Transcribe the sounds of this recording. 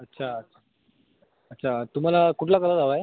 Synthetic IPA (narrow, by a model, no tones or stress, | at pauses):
ətːɕʰaətʰa | ətːɕʰat̪um̤alakuʈʰlakəlad͡zaʋaj